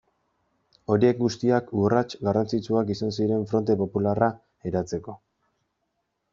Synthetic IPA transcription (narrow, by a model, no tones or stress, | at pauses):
o̞ɾie̞k̚ɡust̪iakurat͡ʃɡarant͡sit͡ʃuakisans̬iɾe̞ɱfɾo̞nt̪e̞po̞pulara | eɾat͡se̞ko̞